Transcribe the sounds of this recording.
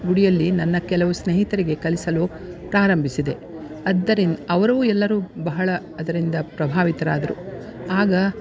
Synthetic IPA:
ɡuɽijɐlːinɐnːɐkɛlɐʋusneːɦit̪ɐɾiɡe̞kɐlisɐlu | pɾaːɾɐmbʱisid̪e̞ | ɐd̪ːɐɾinɐʋɐɾɐʋuːɛlːɐɾuːbɐɦɐɭɐːd̪ɐɾind̪ɐpɾɐbʱaːʋit̪ɐɾaːd̪ɐɾṵaːɡɐ

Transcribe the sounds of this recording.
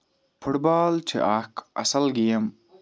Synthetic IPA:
fʰuʈbaːlt͡ʃʰḛʔaːkɐ̰sɐlɡijɐm

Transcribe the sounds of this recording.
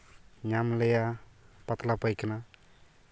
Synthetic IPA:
ɲamlejapʌt̪lapəjkna

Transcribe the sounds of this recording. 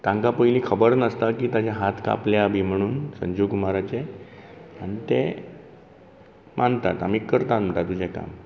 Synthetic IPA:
t̪ãŋkapəjlikʰəbəɾnəst̪akiːt̪at͡ɕaɦat̪ka̰pljabʱiːm̤əɽ̃uːnsə̰ɲd͡ʑuɡumaɾat͡ɕe | añit̪e | mʔant̪a̰t̪amiːkːəɾt̪anm̤əɳʈ̪at̪ud͡ʑeka̰m

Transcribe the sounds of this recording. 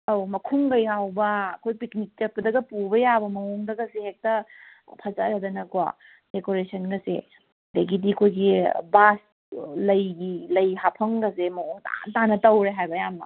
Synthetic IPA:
ɐwmɐkʰuŋɡɐjɦawbɐːkʰojpiknik̚t͡ʃɐt̚pɐdɐɡɐpubɐjabɐmɐoŋdɐɡɐsehek̚tɐ | pʰɐzɐɾɐdɐnɐkuwa̰ | dekoɾesʰɐnɡɐsḛ | deɡidiɐkʰojɡibas | lɐjɡilɐjɦapʰɐŋɡɐsemɐoŋta̰ntanɐtɐwɾeɦajbɐjamnɐ̰

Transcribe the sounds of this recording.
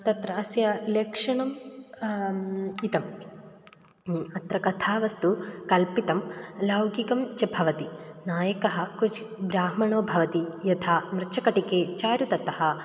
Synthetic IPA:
t̪ɐt̪ɾaːsjɐlekʂɐɳɐm | it̪ɐm | ɐt̪ɾɐkɐt̪ʰaːʋɐst̪ukɐlpit̪ɐmlɐwɡikɐmt͡ʃɐbʱɐʋɐt̪inaːjɐkɐɦɐ̆kut͡ʃʰi̥bɾaːɦmɐɳoːbʱɐʋɐt̪ijɐt̪ʰaːmɾɐt͡ʃʰɐkɐʈikeːt͡ʃaːɾut̪ɐt̪ɐhɐ̆

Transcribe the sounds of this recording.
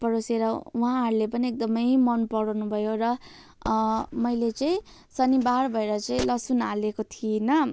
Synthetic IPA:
pʌɾoseɾʌũɦãɦʌɾlepʌniek̚d̪ʌmʌjmʌnpʌɽʌwnubʱʌjoɾʌ | mʌjlet͡sʌĩ | sʌnibarbʱʌeɾʌt͡saĩlʌsunalekot̪ʰienʌ

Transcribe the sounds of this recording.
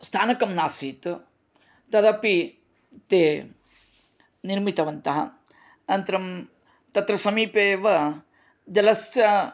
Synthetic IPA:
st̪ʰaːnɐkɐmnaːsiːt̪ | t̪ɐd̪ɐpi | t̪eː | niɾmit̪ɐʋɐnt̪ɐɦɐ̰ | nɐnt̪ɾɐm | t̪ɐt̪ɾɐsɐmiːpeːʋɐ | d͡ʒɐlɐsjɐ

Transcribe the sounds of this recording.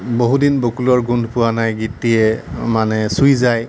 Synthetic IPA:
boɦudinbokulɔɹɡundʱpʊwanajɡitiɛmanɛsujzaj

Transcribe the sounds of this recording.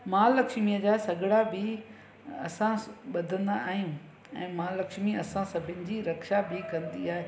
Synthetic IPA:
mãːlɐkʃmiəd͡ʑaːsɐɡʱɪɽabɪ | ɐsãɓɐd̪ʱə̃nd̪aaːɦijũ | ɛ̰̃ːmãːlɐkʃmiɐsãsɐbʱɪnɪ̆d͡ʑiːɾɐkʃabʱɪkɐ̃nd̪iaːɦe

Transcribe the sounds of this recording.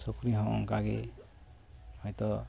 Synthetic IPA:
sukɾiɦɔ̃ʔɔ̰ŋkaɡḛ | hɔjt̪ɔ

